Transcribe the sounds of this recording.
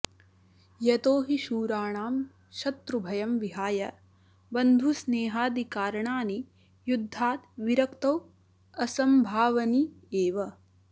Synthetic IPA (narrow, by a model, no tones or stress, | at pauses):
jɐt̪oːɦiʃuːɾaːɳaːm | ʃɐt̪ɾubʱɐjɐmʋiɦaːjɐ | bɐnd̪ʱusneːɦaːd̪ikaːɾɐɳaːni | jud̪ʱːaːt̪ʋiɾɐkt̪ɐw | ɐsɐmbʱaːʋɐni | eːʋɐ